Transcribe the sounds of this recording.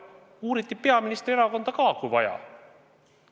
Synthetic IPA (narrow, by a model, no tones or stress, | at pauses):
uːɾit̪ˑːipe̞ɑminist̪ɾieɾɑko̞nd̪̥ɑkɑːkujvɑ̰jɑ̰